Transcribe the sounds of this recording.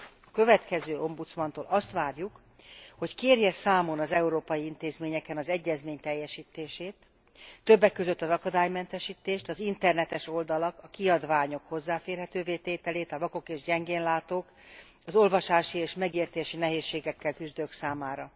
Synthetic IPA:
ɒkø̞vɛt̪kɛzøːo̞mbut̪smɒnt̪o̰ːlʔɒst̪ʋaːrjuk | ho̞ckeːrjɛsaːmo̞nɒzɛuɾoːpɒjiint̪eːzmeːɲɛkɛnɒzɛɟːɛzmeːɲt̪ɛjːɛʃiːt̪eːʃeːt̪ː | øbːɛkːøzøt̪ːɒzɒkɒd̪aːjmɛnt̪ɛʃiːt̪eːʃt̪ɒzint̪ɛrnɛt̪ɛʃo̞ld̪ɒlɒkɒkiɒd̪vaːɲo̞kho̞zːaːfeːrɦɛt̪øːveːt̪eːt̪ɛleːt̪ɒvɒko̞keːʒɟɛŋɡeːnlaːt̪oːk | ɒzo̞lvɒʃaːʃieːʃmɛɡeːrt̪eːʃinɛɦeːʃːeːɡɛkːɛlkyzd̪øːksaːmaːɾɒ

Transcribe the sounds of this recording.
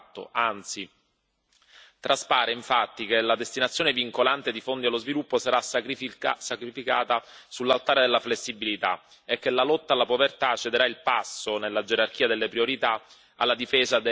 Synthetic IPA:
t̪ːo̰ant̪si | t̪ɾaspaːɾeiɱfat̪ːikelad̪est̪inat̪sjoːneviŋkolant̪ed̪ifond̪ialːozvilupːosaɾas | sakɾifika̰ːt̪asulːalt̪aːɾed̪elːaflesːibilit̪a | ekːelalɔt̪ːaːlːapovert̪at͡ʃːed̪eɾailpasːonelːad͡ʒeɾark̟iːad̪elːepɾioɾit̪a | a̰lːad̪ifeːzad̪

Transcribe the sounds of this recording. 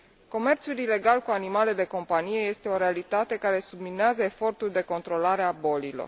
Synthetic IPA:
ko̞me̞rt̪sulile̞ɡalkuanimale̞d̪e̞ko̞mpanije̞je̞st̪e̞o̞ɾe̞alit̪at̪e̞kaɾe̞sublineazəefo̞rt̪ulʲd̪e̞ko̞nt̪ɾo̞laɾeabo̞lilo̰r

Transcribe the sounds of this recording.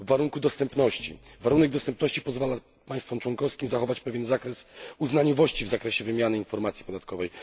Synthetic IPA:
vːaɾuŋkud̪ɔst̪ɛmpnɔɕt͡ɕḭvaɾunɛɡ̚d̪ɔst̪ɛmpnɔɕt͡ɕipɔzvala | paj̃st̪fɔmt͡ʂwɔŋkɔfskʲimzaxɔvat͡ɕpɛvʲjɛnzakɾɛsuznaɲɔvɔɕt͡ɕivzakɾɛɕɛvɘmʲjanɘinfɔɾmat̪sʲi̥pɔd̪at̪kɔvɛj

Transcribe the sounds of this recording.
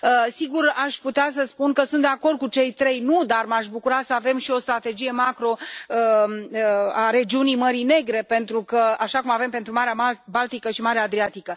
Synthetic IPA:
əsiɡuraʃput̪eas̬əspunkəsunt̪d̪eako̞rd̪̚kut͡ʃe̞jt̪ɾe̞jnud̪armaʃ̬bukuɾasəave̞mʃio̞st̪ɾat̪e̞d͡ʒije̞makɾo̞əəaɾe̞d͡ʒiunijməɾine̞ɡɾe̞pe̞nt̪ɾukəaʃakumave̞mpe̞nt̪ɾumaɾeabalt̪ikəʃimaɾeaːd̪ɾiat̪ikə

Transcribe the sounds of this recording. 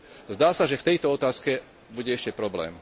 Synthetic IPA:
zd̪aːsaʒɛft̪ɛjt̪ɔɔt̪aːskɛ | buɟɛɛʃcɛpɾɔblɛ̰ːm

